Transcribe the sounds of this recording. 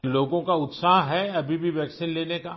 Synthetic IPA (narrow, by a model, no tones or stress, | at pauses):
loːɡõkaʊt̪saːɦɦɛɐbʱibʱiʋjɛːksiːnleːneːkaː